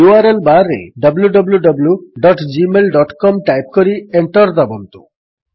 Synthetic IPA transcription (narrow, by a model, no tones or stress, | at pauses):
uaɾelbaɾḛɖʌbljuɖɔbluɖɐbljuɖɔʈd͡ʒimelɖɔʈkɔmʈajp̚koɾieɳʈɔɾd̪abɔnt̪u̥̰